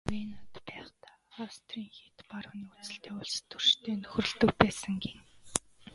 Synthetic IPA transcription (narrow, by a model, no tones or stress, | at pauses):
minat̪pæːχt̪ḁːast̪riːŋxit̪parw̆niut͡sɘ̆ɬt̪ʰeːʊɮst̪ɵrʃt̪ʰeːnɵxrɵ̆ɮt̪ɵ̆kpæːsə̆ŋɡeŋ